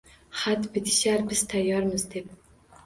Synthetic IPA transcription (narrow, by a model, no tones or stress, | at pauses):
χat̪bɪt̪ʰɪʃaɾbɪz̥t̪ʰajːɒɾmɪzd̪e̞p